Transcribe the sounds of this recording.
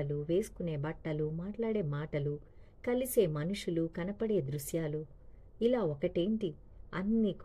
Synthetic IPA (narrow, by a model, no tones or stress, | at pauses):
ɐluʋe̞ːsu̥kune̞ːbɐʈːɐlumaːʈlaːɽe̞ːmaːʈɐlu | kɐlise̞ːmɐnuʂulukɐnɐpɐɽe̞ːd̪ɾuʃjaːlu | ilaːɔkɐʈe̞ːɳʈi | ɐnːik